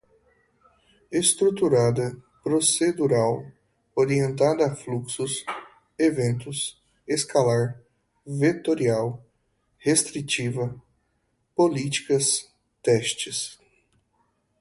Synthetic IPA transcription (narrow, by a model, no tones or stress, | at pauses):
est̪ɾut̪uɾad̪ɐ | pɾosed̪uɾaw | oɾiẽnt̪ad̪ɐafluksʊs | evẽnt̪ʊs | eskalaɾ | vet̪oɾiaw | hest̪ɾit͡ʃivɐ | polit͡ʃi̥kɐs | t̪ɛʃt͡ʃɪs